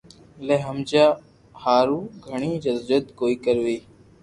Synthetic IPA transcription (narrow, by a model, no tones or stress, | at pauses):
leːɦəmd͡ʒaː | haːɾuːɡʱəɳ̃iːd͡ʒəzd͡ʒət̪koːiːkəɾʋiː